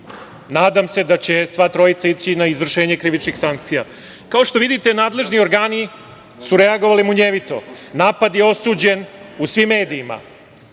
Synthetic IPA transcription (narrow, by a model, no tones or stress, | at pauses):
naːd̪amse̞d̪at͡ɕe̞sʋat̪ɾo̞jit̪sait͡ɕinaizvr̩ʃe̞ːɲekɾiʋit͡ʃnixsaŋk̚t̪sija̰ | kao̞ʃt̪o̞ʋid̪it̪enaːd̪le̞ʒnio̞ɾɡaːni | suɾe̞aɡo̞ʋalimuɲeʋit̪o̞̰naːpad̪jeo̞sud͡ʑe̞nusʋimːe̞ːd̪iːma̰